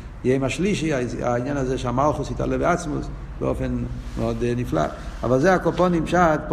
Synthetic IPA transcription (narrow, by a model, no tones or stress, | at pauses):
jeɪmaʃliʃiaa̰injanazɛʃamalˠχʊsita̰lɛbɪat͡smʊs | bə̰o̰fɛnmɔdnifla̰ | a̰valˠzeakɔpɔnɪmpʃatp